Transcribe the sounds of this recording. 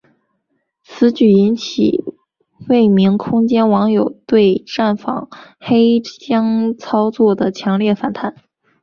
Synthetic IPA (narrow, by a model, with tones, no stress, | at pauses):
t͡sʰɹ̩˧˥t͡ɕy˨˩i˧˥nt͡ɕʰḭ˨˩ | we˥˩ɪmi˧˥ŋkʰʊ˥ŋt͡ɕjɛ˥nwɑ˧˥ŋjo˨˩ʊt̪we˥˧ɪʈ͡ʂa˥˩nfɑ̰˨˩˦ŋxe˥ɪt͡ɕjɑ˥ŋt͡sʰɑ˥ʊt͡swɔ˥˩d̪ə˩t͡ɕʰjɑ˧˥ŋljɛ˥˩fa˨˩nt̪ʰa˧˥n